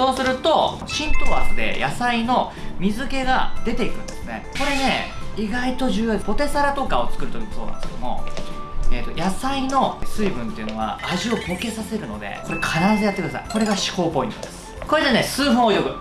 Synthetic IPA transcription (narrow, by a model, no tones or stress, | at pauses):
so̞ːsɨɾɯ̟t̪o̞ | ɕĩnt̪o̞βa̰sɨ̥t̪e̞̰jasaino̞ | mʲizɨke̞ɡad̪e̞t̪e̞ikɯ̟̃nd̪̥e̞sɨnḛko̞ɾe̞ne̞iɡait̪o̞ʑɨːjoːd̪epo̞t̪e̞saɾat̪o̞kao̞t͡sɨ̥kɯ̟ɾɯ̟t̪oiso̞ːna̰neske̥mo̞̰ | eːt̪ːo̞jʔasaino̞sɨibɯ̟̃nt̪e̞iɯ̟no̞β̞a̰aʑio̞bo̞ke̞sase̞ɾɯ̟no̞̰d̪e̞̰ko̞ɾekʰaɾaβazejat̪ːkɯd̪asa̰iko̞ɾe̞ɡaɕi̥ho̞ːpo̞ḭ̃t̪od̪e̞sɨ̥ko̞ɾe̞d̪ene̞sɨːɸɯ̃ojo̞kɯ̟